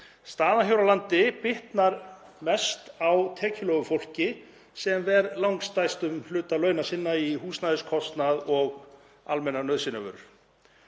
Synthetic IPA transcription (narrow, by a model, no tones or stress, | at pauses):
st̪aːðaçjowɾalant̪ɪpɪht̪naɾ | mɛst̪awt̪ʰɛːcʰɪlœɣʏfowl̥cɪ | sɛmvɛɾlawŋkst̪ajst̪ʏmlʏːt̪alœːɥnasɪnːaiɦuːsnajðɪskʰɔst̪naðɔɣ | almɛnanœðsɪnavʏ̰ɾʏɾ